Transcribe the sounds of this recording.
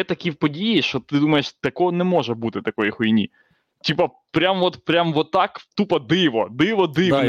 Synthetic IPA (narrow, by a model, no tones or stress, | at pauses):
ɛt̪ɐkʲiwpɔdʲijiʃt͡ʃɔt̪ɪd̪umɐjeʃt̪ɐkɔnɛmɔʒɛbut̪ɪt̪ɐkɔjixɔjnʲḭ | tʲipɐ | pɾʲamʋɔt̪pɾʲamʋɔt̪ːɑkt̪upɐd̪ɪʋɔd̪ɪʋɔd̪ɪ